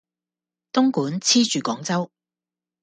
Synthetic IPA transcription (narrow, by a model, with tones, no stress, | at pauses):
t̪ʊ˥ŋkuː˨˥nt͡sʰiː˥t͡ʃyː˨kɔː˨˥ŋt͡sɐ˥w